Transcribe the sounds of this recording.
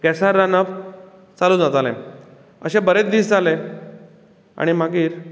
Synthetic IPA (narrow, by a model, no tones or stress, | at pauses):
ɡɛsaɾːanəp | t͡salũd͡zat̪alḛ̃ | ə̰ɕẽbəɾet͡sd̪iːsd͡zale | a̰ɽ̃imaɡiːɾ